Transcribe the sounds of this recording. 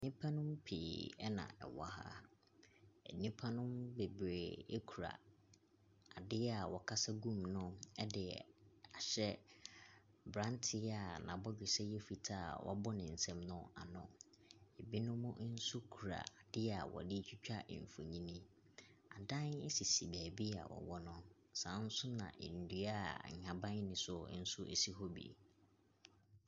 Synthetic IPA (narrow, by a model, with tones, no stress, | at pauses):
nĩ˦pʰã˦nʊ̃˦mpʰeː˨ɛ˦nã̰˨ɛ̰˨wa˦ha̰˦ | ɛ̰˨nĩ˦pʰa˦nʊ̃˦mbe˨bɾe˨e˦kʰu˨ɾa̰˨ | a˨dɪ˦a˨wɔ˨kʰa˦sa˦ɡũ˦˨mnʊ̃˦ɛ˦dɪ˨a˨ɕɛ˦ | bɾã˦ntʰɪ˦a˨nã̰˨bɔ˦ɡɪ˨sɛ˦jɛ˦fi˨tʰaː˦˨wʔɔ̰˦bɔ˦nɪ̃˨n̩˨sɛ̃˦mnʊ̃˦a̰˨nʊ̰̃˨ | e˨bi˦nʊ̃˦mʊ̃˦n̩˦su˦kʰu˨ɾa̰˨d̥ɪ˦a˨wɔ̰˨dɪ˦t͡ɕᶣi˦t͡ɕᶣa̰˦˨ɱ̩˨fo˨ɲĩ˦nĩ˦ | a˨dã˦ne˦si˨si˨bæː˨bi˦a̰˨wʔɔ̰˨wɔ˦nʊ̃˦ | sã˨˦n̩˦sʊ˦nã̰˨ʔe˨n̩˨dɥa˦˨ɲã˨bã˦ɲ˦nɪ̃˨sʊ˦n̩˦sʊ˦ʔe˨si˦ɦɔ˦bḭ˨